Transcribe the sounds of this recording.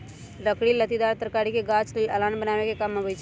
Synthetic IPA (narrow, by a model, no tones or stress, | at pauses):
ɾəkɽilət̪id̪aːɾt̪əɾkaːɾikeɡaːt͡ʃlɪlɐlaːnbənaːʋekekɐmɐbət͡ʃ